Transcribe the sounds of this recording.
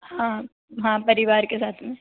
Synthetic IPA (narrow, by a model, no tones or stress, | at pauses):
hãː | ɦãːpɐɾɪʋaːɾkesaːt̪ʰmẽ